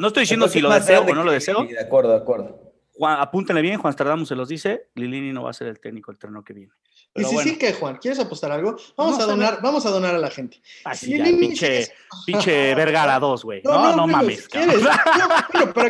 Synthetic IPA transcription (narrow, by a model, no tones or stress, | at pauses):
noest̪ojðisjend̪osiloðeseonolo̞ðeseoðakweɾðoðakweɾðo | xwaapunt̪enlejenxwanst̪aɾðamuselo̞zðise̞lilinino̞βa̰ːseɾelt̪eknikoelt̪ɾenokeβje̞ne | peiɾosiwesikexwankje̞ɾes̬apost̪aɾalɣobamoaðonaɾbamosaðonaɾalaxent̪e̥asiliainit͡ʃepit͡ʃeβeɾɣalaðo̞zɣwejnoonomãmeskeɾes | opɾa